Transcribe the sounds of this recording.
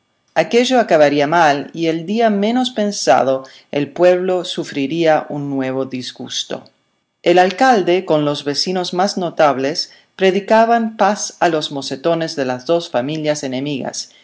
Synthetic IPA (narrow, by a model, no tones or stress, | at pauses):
akeʒoakaβaɾiamalield̪iamẽ̞nospensa̰ð̞o | elpweβ̞losufɾiɾiaʔunːweβ̞oðizɣust̪o̞̰ | elalkald̪eko̞nlo̞zβesino̞zmaznot̪aβ̞les | pɾeðikaβampasalo̞zmo̞set̪onezðelazðo̞sfamiljasenemiɣa̰s